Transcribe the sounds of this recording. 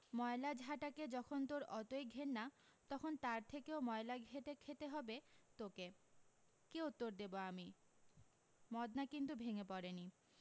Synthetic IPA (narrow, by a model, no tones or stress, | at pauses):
mɔelad͡ʑʱaʈaked͡ʑɔkʰont̪oɾɔt̪ojɡʱenːat̪ɔkʰont̪aɾt̪ʰekeomɔelaɡʱet̪ekʰet̪eɦɔbet̪oke | keut̪ːoɾd̪eboami | mɔd̪nakint̪̬ubʱeŋepɔɾeni